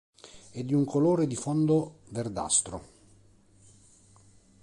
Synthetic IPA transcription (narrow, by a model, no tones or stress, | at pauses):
ɛd̪ːiuŋkʰoloːɾed̪ifɔnd̪overd̪a̰st̪ɾo̰